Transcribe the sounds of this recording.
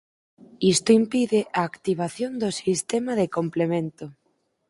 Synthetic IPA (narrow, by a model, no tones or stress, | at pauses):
ist̪oimpiðɪʔaːkt̪iβ̞aθjond̪osist̪ɛmaðekomplemẽnt̪o